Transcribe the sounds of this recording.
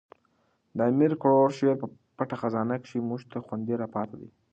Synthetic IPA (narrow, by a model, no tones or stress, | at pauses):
d̪əamiɾkʊɽoɾʃeɾpə | paʈaxazɑnakʃimuʒt̪axwand̪iɾapɑt̪ʰad̪ḭ